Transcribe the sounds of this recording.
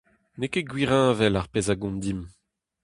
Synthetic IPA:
nekeɡwiʁɛ̃ːvɛlaʁpeːzaɡɔ̃nd̪im

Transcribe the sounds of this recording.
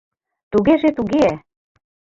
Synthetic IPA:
t̪uɣeʒet̪uɣeæ

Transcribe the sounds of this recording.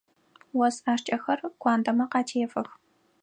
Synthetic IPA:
wɔsaːʂt͡ʃʼɐxɐrkʷaːndɐmɐqɑːtʰeːfɐx

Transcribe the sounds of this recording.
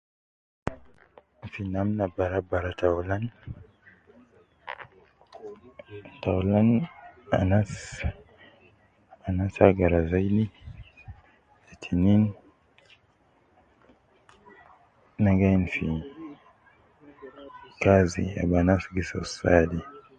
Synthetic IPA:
finamnabaɾabaɾatawlan | tawlana̰nas | anasaɡaɾazajdi | etʰinin | aɡanfi | kazḭa̰banasɡisasadi

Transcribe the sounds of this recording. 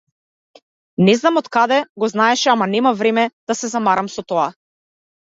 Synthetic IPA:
nɛznamɔt̪kad̪ɛɡɔznaɛʃɛamanɛmavɾɛmɛd̪̥asɛzamaɾamsɔt̪ɔa

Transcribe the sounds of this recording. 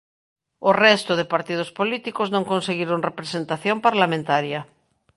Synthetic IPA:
orɛst̪ʊðepaɾt̪ið̞ospolit̪ikoznõŋkõnseɣiɾoŋrepɾesent̪aθjompaɾlamẽnt̪aɾjɐ

